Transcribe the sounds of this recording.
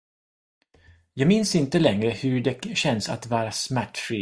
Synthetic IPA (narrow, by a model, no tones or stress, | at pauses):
jɑːɡmɪnsɪnt̪əlɛŋɾəhɵɖɛɕɛnsa̰t̪vɑːɾasmæʈːfɾiː